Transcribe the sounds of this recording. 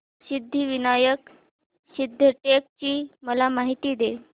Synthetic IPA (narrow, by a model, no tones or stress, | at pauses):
sid̪ʱːiʋinajək | sid̪ʱːəʈek̚t͡ɕiːməlamaɦit̪iːd̪e